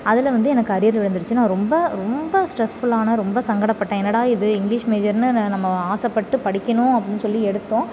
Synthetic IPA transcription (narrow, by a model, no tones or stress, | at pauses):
ɐðɪlʋɐnd̪ɯɛnɐkːɐɾɪjɐɾlʋɪɻɐnd̪ɯɾɯt͡ʃːɯnaːɾɔmbɐɾɔmbɐsʈɾɛsfʊɭaːnɐɾɔmbɐsɐŋɡɐɽɐpːɐʈːɐ̃ɛnːɐɽaːɪðɯɪŋɡlɪʂmeːd͡ʒɐɾnɯnɐmːɐaːsɐpːɐʈːɯpɐɽɪkʲːɐɳʊ̃ːɐpːɐɽɪnːɯsɔlːiɛɽɯt̪ːõː